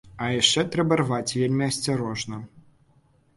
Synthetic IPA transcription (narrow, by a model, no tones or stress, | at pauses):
ɐjaʂt͡ʂɛt̪ɾɛbɐrvat͡sʲvʲelʲmʲiɐsʲt͡sʲaɾɔʐnɐ